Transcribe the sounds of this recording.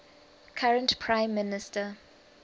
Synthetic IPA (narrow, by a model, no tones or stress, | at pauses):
kʰaɹə̃ntpʰɹãɪ̃mːɪnɪstə